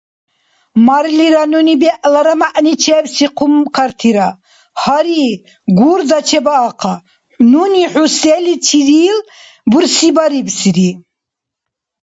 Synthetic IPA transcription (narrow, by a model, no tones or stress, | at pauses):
maɾliɾanunibɛʔlaɾamaʔnit͡ʃʰɛːbsiqʰumkʰaɾt̪ʰiɾa | haɾi | ɡuɾd̪at͡ʃʰɛbaːqʰa | nuniħusɛlit͡sʰiɾiːl | buɾsibaɾibsiɾi